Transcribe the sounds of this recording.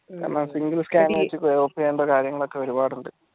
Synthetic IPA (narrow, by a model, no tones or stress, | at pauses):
a̰ːnaːmsiŋɡɨlskaːnet͡ɕːikːueopːeeːɳɖɐkaːɾjɐŋːɐɭo̞kːe̞ʋɐɾubaːɽuɳɖɨ